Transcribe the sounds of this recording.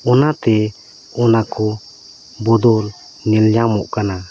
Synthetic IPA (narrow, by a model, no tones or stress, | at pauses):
ɔnat̪ɛ | ɔnakɔ | bɔd̪ɔl | nɛlɲamɔʔkana